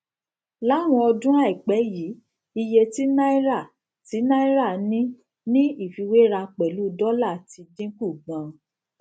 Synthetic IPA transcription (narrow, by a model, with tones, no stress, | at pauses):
la˨˦˨w̃ɔ̃˧ɔ˧dũ˦a˦˨i˨k͡pɛ˨˦ji˨˦ | i˧je˧ti˦na˦i˦ɾa˦˨ | ti˨˦na˦i˦ɾa˦˨nĩ˦ | nĩ˦i˦˨fi˨˧we˦ɾa˧k͡pɛ˨lu˨˦˨dɔ˦la˦˨ti˧dĩ˦ku˦˨ɡ͡bã˨